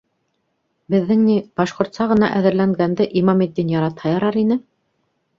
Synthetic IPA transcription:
bɘ̆ðːɘŋnib̥ɑʃqŏɾt̪sɑʁɤ̆nɑʔæðɘ̆ɾlæŋɡænd̪ɘʔimɑmit̪̚ːinjɑɾɑt̪hɑjɑɾɑɾinɘ

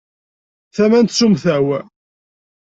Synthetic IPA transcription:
θæmænt̪sumθæwæ

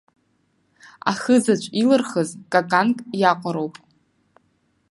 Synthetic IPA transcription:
a̰χəzat͡ʃʷʼilɨrχəzkʼakʼankʼjaqʷʼaɾowpʼ

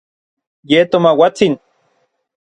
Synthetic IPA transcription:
jet̪omawat͡sin

